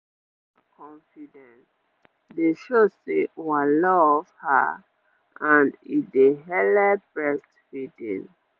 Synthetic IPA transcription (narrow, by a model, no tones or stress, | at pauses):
kʰɔ̃ɱfidɛ̃ns | deʃosewalɔvha̰ | ʔãnideɦɛlɛbɹɛstfidḭ̃n